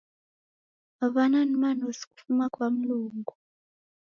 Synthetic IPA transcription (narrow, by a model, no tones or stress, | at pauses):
aβananimanosi̥ku̥fumakwam̩luːŋɡu